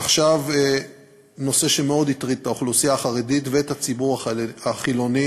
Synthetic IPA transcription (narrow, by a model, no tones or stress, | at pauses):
aχʃave | no̞se̞ʃemeo̞d̪itʁid̪̚taoχlusiaːχaʁeditveethat͡sibuʁaaχilo̞ni